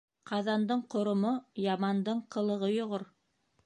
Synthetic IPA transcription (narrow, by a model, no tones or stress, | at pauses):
qɑðɑnd̪ɤɴqŏɾŏmojɑmɑnd̪ɤɴqɤ̆lˠɤ̆ʁɤjŏʁoɾ